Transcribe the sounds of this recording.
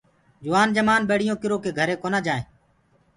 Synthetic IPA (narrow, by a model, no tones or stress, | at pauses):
d͡ʒʊʋaːnd͡ʒəmaːnɓeːɽ̤ɪjõːkɪɾoːkeːɡʱəɾeːkoːnaːd͡ʒaːḛ̃ː